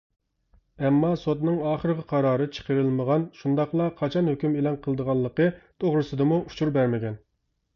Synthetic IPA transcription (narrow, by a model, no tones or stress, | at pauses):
ɛmːɑsot̪nɨŋɑːχəɾʁʰəqʰɑɾɑːɾɨt͡ʃʰə̥qəɾɨlˠməʁɑnʃund̪ɑχlˠɑqʰɑt͡ʃʰɑnhøkʲymelˠɑnqʰəlˠɨd̪əʁɑlˠːəqət̪ʰoʁɾɨsɨd̪ɨmuʔut͡ʃʰuɾbæɾmɪɡʲɛn